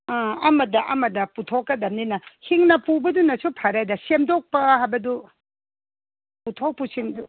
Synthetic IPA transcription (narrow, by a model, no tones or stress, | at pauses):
ãɐmɐdɐʔɐmɐdɐputʰokːɐdɐmninɐhiŋnɐpubɐdunɐsupʰɐɾajdɐsemdok̚pɐɦajbɐdu | putʰok̚pusindu